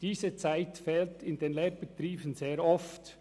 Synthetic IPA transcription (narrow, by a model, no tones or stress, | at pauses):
d̥iːzət͡saɪtfɛːltɪndenleːb̥ətɾiːbən̩zeːɾɔft